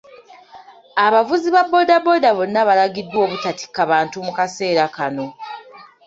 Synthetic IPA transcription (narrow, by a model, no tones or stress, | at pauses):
aβavuziβabːo̞dabo̞daβo̞nːaβalaɡidːwo̞ːβutati̥kːaβaːntumukase̞ːɾakano̞